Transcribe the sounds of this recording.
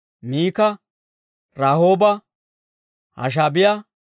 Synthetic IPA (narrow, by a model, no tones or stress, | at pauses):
miːkɐ | ɾaːhoːbɐ | hɐ̰ʃ̬aːbɪjɐ